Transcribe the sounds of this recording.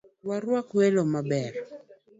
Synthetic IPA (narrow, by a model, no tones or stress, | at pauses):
waɾwakwelomabɛr